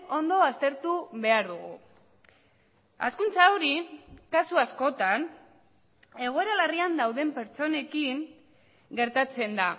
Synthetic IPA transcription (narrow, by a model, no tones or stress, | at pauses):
o̞nd̪o̞ast̪e̞ɾt̪uβe̞aɾðuɣṵ | a̰skunt͡saoɾikasuasko̞t̪an | e̞ɣ̞o̞e̞ɾalariand̪awðe̞mpe̞ɾt͡so̞ne̞kiŋ | ɡe̞ɾt̪at͡se̞nd̪a